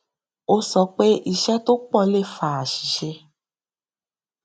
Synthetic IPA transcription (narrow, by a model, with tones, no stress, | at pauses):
o˦sɔ˧k͡pe˦ʔi˧ʃɛ˦to˦k͡pɔ˦˧˨le˦˨fa˨a˨ʃi̥˨ʃe˧